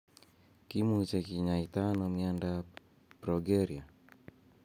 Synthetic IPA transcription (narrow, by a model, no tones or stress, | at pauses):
kimut͡ʃekiɲait̪anomianda | pɾoɡeɾia